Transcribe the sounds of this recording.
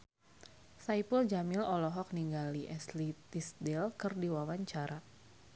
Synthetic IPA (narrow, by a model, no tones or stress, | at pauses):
sajpuld͡ʒamɪlɔlɔɦɔk̚niŋɡaliʔɛslit̪isdɛlkɨrdiwawaɲt͡ʃaɾa